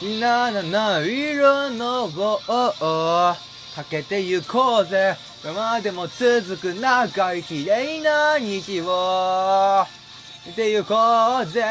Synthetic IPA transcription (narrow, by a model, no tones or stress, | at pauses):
inananaiɾonoɡooʔo | k̪ʰaket̪ejɯkʰoze | wemad̪emot͡sɨzɨkɯnaɡaikʲiɾeinaɲit͡ɕiβo | t̪ejɯkoze